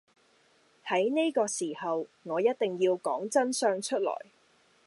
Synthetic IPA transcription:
hɐ˨˥jne˥kɔː˧siː˨˩hɐ˨wŋɔː˨˧jɐ˥t̚t̪ɪ˨ŋjiː˧wkɔː˨˥ŋt͡sɐ˥nsœː˧ŋt͡ʃʰɵ˥t̚lɔ̰ː˨˩j

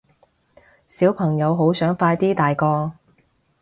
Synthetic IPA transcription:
siː˨˥wpʰɐ˨˩ŋjɐ˨˧wɦo˨˥wsœː˨˥ŋfaː˧jt̪iː˥t̪aː˨jkɔː˧

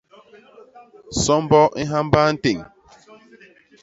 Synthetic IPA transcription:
sɔ˦m˦bɔ˦ʔi˦ɦa˦m˦ba˦n̩˦te˨ŋ˨

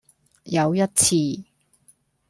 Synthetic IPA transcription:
jɐ˨˧wjɐ˥t̚t͡sʰiː˧

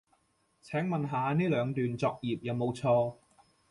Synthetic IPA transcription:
t͡sʰɛː˨˥ŋmɐ˨nɦaː˨˧niː˥lœː˨˧ŋt̪yː˨nt͡sɔː˧k̚jiː˨p̚jɐ˨˧wmo˨˧wt͡sʰɔː˧

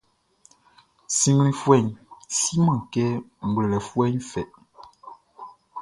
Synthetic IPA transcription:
si˨ŋ˦i˨fwɛ˦˨ɲsi˦mã˨kɛ˦m̩˨bə˨lɛ˨fwɛ˦ɲfɛ˨ʔ

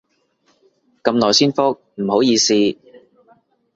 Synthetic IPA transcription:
kɐ˧mlɔː˨˩jsiː˥nfʊ˥k̚m̩˨˩ho˨˥wjiː˨˧siː˧

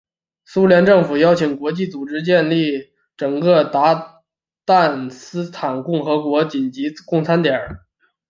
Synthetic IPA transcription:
su˥ljɛ˧˥nʈ͡ʂɤ˥˩ŋfu˨˩jɑ˥ʊt͡ɕʰi˨˩ŋkwɔ˧˥t͡ɕi˥˩t͡su˨˩ʈ͡ʂɻ̩˥t͡ɕjɛ˥˧nli˥˩ | ʈ͡ʂɤ˨˩ŋkɤ˥˧t̪a˧˥ | t̪a˥˩nsɹ̩˥t̪ʰa˨˩nkʊ˥˩ŋxɤ˧˥kwɔ˧˥t͡ɕi˨˩nt͡ɕi˧˥kʊ˥˩ŋt͡sʰa˥nt̪jɛ˨˩˥

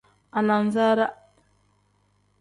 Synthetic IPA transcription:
a˨na˨nza˦ɾa˦

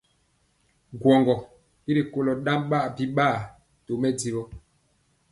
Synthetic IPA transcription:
ɡwɔ˨ŋɡɔ˨ | i˦ɾi˨ko˦lɔ˨ɗa˦mɓa˦ʔbi˦ɓaː˦˨ | to˨mɛ˦di˦bɔ˦

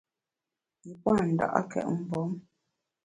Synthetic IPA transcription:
i˨pwa˦˨n̩˨da̰˨ʔa̰˦kɛ̰˨ʔm̩˨bɔ˨˦m

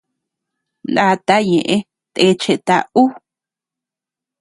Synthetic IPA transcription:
na˦˧t̪a˦ɲẽ˨ʔẽ˦ | t̪e˧˦t͡ʃe˧t̪a˧u˦

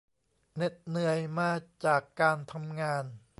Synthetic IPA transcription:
ne˨˩t̪̚nɯ˧əjmaː˧˩t͡ɕaː˨˩kːaː˧nt̪ʰa˧mŋaː˧n

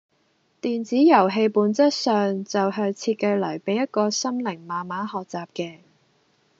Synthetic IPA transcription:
t̪iː˨nt͡siː˨˥jɐ˨˩wɦe˧jpuː˨˥nt͡sɐ˥t̚sœː˨ŋt͡sɐ˨wɦœː˧ŋt͡sʰiː˧t̚kɐ˧jlɐ˨˩jpe˨˥jɐ˥t̚kɔː˧sɐ˥mlɪ˨˩ŋmaː˨maː˨˥hɔː˨k̚t͡saː˨p̚kɛː˧

